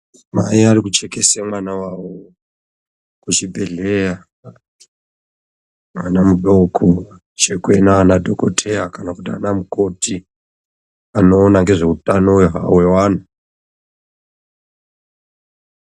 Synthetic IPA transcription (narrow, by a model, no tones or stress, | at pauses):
ma̰iarikut͡ʃekesemwanawawo | kut͡ʃibʱe̞ɮeja | anamuɗokʰo | t͡ʃekwe̞naːnadʱokotʰe̞jakanakutia̰namuko̞ti | ano̞ːnaŋɡeʐe̞utanowɦa̰we̞waːna